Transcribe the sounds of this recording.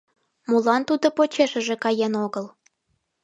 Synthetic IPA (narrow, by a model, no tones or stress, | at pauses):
mulɑnt̪ud̪opot͡ɕeʃə̆ʒĕkɑjenoɣəl